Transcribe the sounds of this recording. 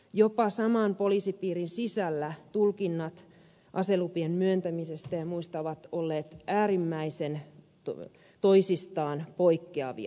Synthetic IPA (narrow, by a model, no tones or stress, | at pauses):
jopɑsɑmɑːnpolisipiːrinsisælːæt̪ulkinːɑt̪ | ʔɑ̰selupiemmyønt̪æmisest̪æjɑmuist̪ɑʋɑt̪olːeːt̪æːrimːæisen | t̪oisist̪ɑːnpoikːeɑʋḭɑ̰